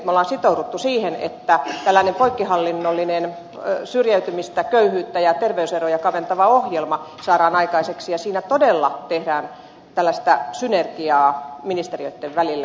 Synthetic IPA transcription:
t̪molːɑːnsit̪ouɾut̪ːusiːhenḛt̪ːæt̪ælːæinempoikːihɑlːinːolːinen | syrjæyt̪ymist̪ækøyhyːt̪ːæjɑt̪erʋeyserojɑkɑʋent̪ɑʋɑohjelmɑ | sɑːɾɑːnɑikɑiseksijɑsiːnæt̪odelːɑt̪ehdæːn | t̪ælːæst̪æsynerkiɑːminist̪erioit̪ːeʋʋælilːæ

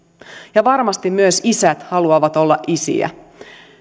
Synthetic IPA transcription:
jɑʋɑrmɑst̪immyøsisæt̪hɑluɑʋɑt̪o̞lːɑʔisḭæ̰

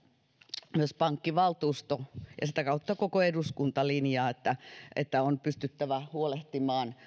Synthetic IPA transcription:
myøspɑŋkːiʋɑlt̪uːst̪ojɑsit̪ækɑut̪ːɑkokoeduskunt̪ɑlinjɑːet̪ːæʔḛt̪ːæonpyst̪yt̪ːæʋæhuoleht̪imɑːn

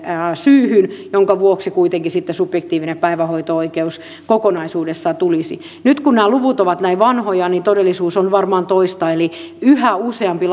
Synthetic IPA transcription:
syːhynjoŋkɑʋuoksikuit̪eŋkisit̪ːesubjekt̪iːʋinepæiʋæhoit̪ooikeus | kokonɑisuːdesːɑt̪ulisḭ | nyt̪kunnæːluʋut̪oʋɑt̪næiʋɑnhojɑnint̪odelːisuːsonʋɑrmɑːnt̪oist̪ɑeliyhæuseɑmpi

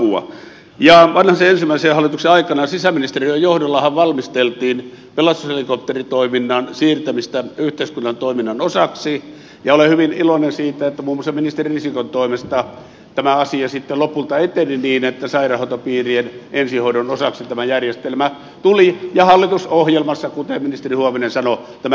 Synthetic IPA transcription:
uɑ̰ | jɑʋɑnhɑseensimːˑæˑiseːhɑlːˑit̪ukseɑikˑɑnɑsisæminist̪eriejohdolːɑhɑʋʋɑlmist̪elt̪iːn | pelɑst̪ushelikop̚t̪erit̪oiminːɑnsiːrt̪æmist̪æyht̪eˑiskunːɑnt̪oˑiminːɑnosɑksi | jɑolehyʋinilonensiːt̪æet̪ːæmuːmːosɑminist̪eririsikont̪oˑimest̪ɑ | t̪æmæɑsiɑsit̪ːelopult̪ɑet̪eniniːnet̪ːæsɑirɑhɑˑut̪opiːrienʔensihoiɾonosɑksit̪æmæjærjest̪elmæ | t̪ulijɑhɑlːit̪usohjelmɑsːɑkut̪eminist̪erihuomenensɑnot̪æmæ

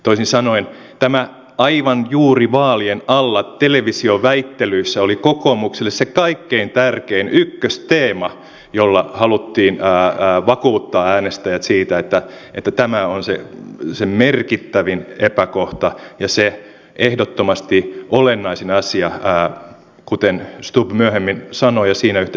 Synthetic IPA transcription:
t̪oisinsɑnoin | t̪æmæ | ɑiʋɑnjuːriʋɑːlienɑlːɑt̪eleʋisioʋæit̪ːelyisːæolikokomukselːessekɑikːeint̪ærkeinykːøst̪eːmɑ | jolːɑhɑlut̪ːiːnːʋɑkuːt̪ːɑːæːnest̪æjæt̪siːt̪æet̪ːæet̪ːæt̪æmæonsḛsemmerkit̪ːæʋinepækoht̪ɑjɑse | ʔehdot̪ːomɑst̪iʔolenːɑisinɑsiɑː | kut̪enst̪ubmyæhemːinsɑnojɑsiːnæyht̪

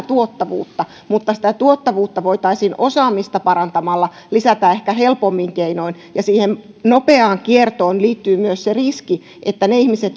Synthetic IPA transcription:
t̪uot̪ːɑʋṵːt̪ːɑ | mut̪ːɑsi̥t̪æt̪uot̪ːɑʋuːt̪ːɑʋoit̪ɑisinosɑːmist̪ɑpɑɾɑnt̪ɑmɑlːɑ | lisæt̪æehkæhelpomːiŋkeinoin | jɑsiːhen | nopeɑːŋkiert̪oːnliːt̪ːyːmyøsseriski | ʔet̪ːæneihmiset̪

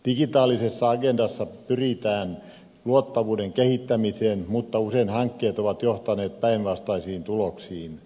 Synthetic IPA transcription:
d̥iɡ̥it̪ɑːlisesːɑɑɡendɑsːɑpyrit̪æːn | luot̪ːɑʋuːdeŋkehit̪ːæmiseːnmut̪ːɑuseinhɑŋkːeːt̪oʋɑt̪joht̪ɑneːt̪̚pæinʋɑst̪ɑisiːnt̪uloksiːn

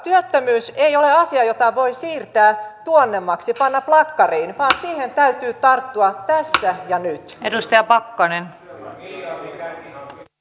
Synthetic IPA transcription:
t̪yøt̪ːømyːsejoleɑsiɑjot̪ɑʋoisiːrt̪æːt̪uonːemːɑksipɑnːɑplɑkːɑriːnʋɑːnsiːhent̪æyt̪yːt̪ɑrt̪ːuɑt̪æsːæjɑnyt̪edust̪ɑjɑpɑkːɑnen

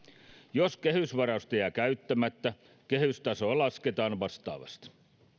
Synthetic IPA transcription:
joske̞hysʋɑrɑust̪eækæyt̪ːæmæt̪ːæ | kehyst̪ɑsoːlɑsket̪ɑːnʋɑst̪ɑ̰ːʋɑ̰st̪

